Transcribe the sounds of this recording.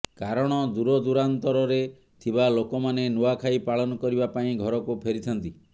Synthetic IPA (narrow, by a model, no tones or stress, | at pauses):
kaɾɔɽ̃ɔd̪uɾɔd̪uɾant̪ɔɾɔɾe | t̪ʰibalokɔmanenuakʰaipaɭɔnɔkɔɾibapaĩɡʱɔɾɔkupʰeɾit̪ʰɔnt̪i